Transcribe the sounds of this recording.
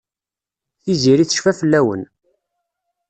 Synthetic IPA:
θiziɾiθə̥ʃfæfəlːæwə̰n

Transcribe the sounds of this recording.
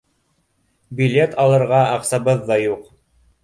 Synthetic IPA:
bʲilʲet̪ʰɑlˠɤ̆ɾʁɑɑqsɑbɤðːɑjuq

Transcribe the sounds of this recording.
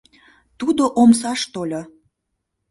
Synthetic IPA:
t̪ud̪oʔoms̬ɑʃt̪olʲo

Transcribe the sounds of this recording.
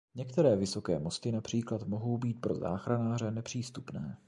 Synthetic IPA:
ɲɛkt̪ɛɾɛːvɪso̞kɛːmost̪ɪnapr̥iːklat̪mo̞ɦo̞wbiːt̪̚pɾo̞za̰ːxɾanaːrɛnɛpr̝̥iːst̪upnɛː

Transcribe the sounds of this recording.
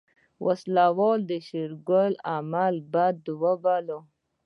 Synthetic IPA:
wʔaslawold̪əʃiɾɡolamalbad̪̚ːəwabalo

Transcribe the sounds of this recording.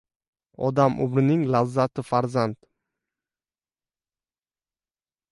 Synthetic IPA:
ɒd̪amʊ̰bɾɪnɪŋlazːat̪ʰɪfaɾzand̪̥

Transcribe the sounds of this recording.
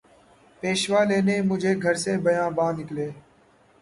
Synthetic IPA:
peːʃʋaːleːnẽːmʊd͡ʒʱeːɡʱəɾsẽːbəjãːbãːnɪkleː

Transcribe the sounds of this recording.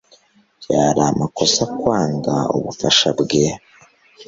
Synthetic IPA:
jaɾaːmako̞sakwaːŋɡao̰βufaʃa̰bɡe

